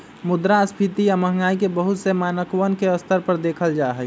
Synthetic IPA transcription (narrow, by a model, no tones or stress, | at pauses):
mʊd̪ɾaəspʰit̪ijamə̃ɦŋɡaːikebəɦʊt̪semaːnəkwənkeəst̪əɾpəɾd̪eːkʰəld͡ʒaːɦɛ